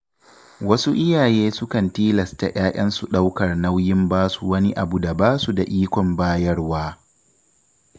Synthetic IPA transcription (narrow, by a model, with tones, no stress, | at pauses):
wɐ˦su˦ʔɪ˦jaː˨jeː˦sʊ˦kɐ˨ntiː˦lɐ˨sta̰˨ʔʲʼaː˦ʔʲɐ˦nsu˨ɗa˦wkɐ˨rna˦wjɪ˦mbaː˦su˨wɐ˦ni˦ʔa˨bu˨da˨baː˦su˨da˨ʔiː˦kʷɔ˨mbaː˦jɐ˦rwaː˦